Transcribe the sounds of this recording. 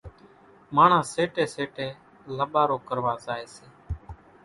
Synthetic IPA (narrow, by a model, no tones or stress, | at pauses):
maːɳ̤ãːseːʈeːseːʈeː | ləɓaːɾoːkəɾʋaːzaːeːseː